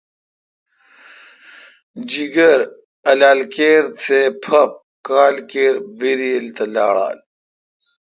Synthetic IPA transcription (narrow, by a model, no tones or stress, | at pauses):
d͡ʑiɡɐɾ | ɐlaːlkeːɾt̪ʰepʰɐp̚ | kaːlkeːɾbiɾilt̪ɐla̰ːɽa̰ːl